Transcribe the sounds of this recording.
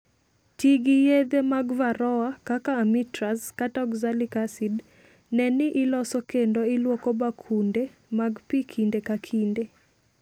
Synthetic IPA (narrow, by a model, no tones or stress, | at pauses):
tiɡijed̪emaɡvaɾɔakakaːmitɾaskatɔɡzalikasid | nɛnɪʔɪlɔsɔkendoɪlwokobakʰunde | maɡpikʰindekakʰinde